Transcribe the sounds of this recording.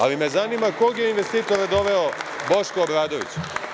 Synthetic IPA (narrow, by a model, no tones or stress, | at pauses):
a̰limezaniːmako̞ɡjeinʋest̪iːt̪oɾad̪o̞ʋe̞obo̞ʃkoːbɾaːd̪oʋḭt͡ɕu̥